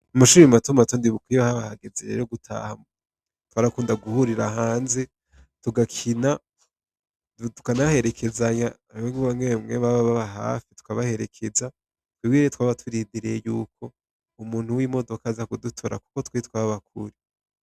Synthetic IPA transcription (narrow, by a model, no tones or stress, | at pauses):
umaʃuːɾimatumatondiβukwiβahaβahaɡezeɾe̞̰ɾoɡutʰa̰ham | twaːɾakuːndaɡuhuɾiɾaɦaːnze | tuɡakʰina | utu̥kanahe̞ɾe̞kʰe̞zaɲaaɾiweŋɡiβamŋemŋeβaβaβaβaɦa̰ːfitu̥kaβahe̞ɾe̞kʰe̞za | twibɡiɾetwaːβatʰuɾidiɾejuːko̞ | umuːn̥huwimo̞do̞kazakudutʰoɾa̰ku̥ko̞twiit̚waββakʰuɾi